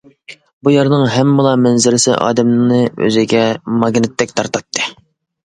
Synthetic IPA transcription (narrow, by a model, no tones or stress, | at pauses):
bujɑɾnɨŋɦɛmːɪlˠɑmɛnzɪɾɪsɪ̰ʔɑ̰ːd̪ɛmnnɨø̰zɪɡʲɛmɑɡnɨt̪ʰːɛk̚ʲt̪ʰɑɾt̪ɑt̪ʰːɨ